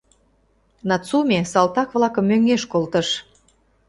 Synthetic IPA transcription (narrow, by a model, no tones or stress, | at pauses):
nɑt͡sumʲesɑlt̪ɑkβlɑkə̆mːøŋeʃkolt̪əʃ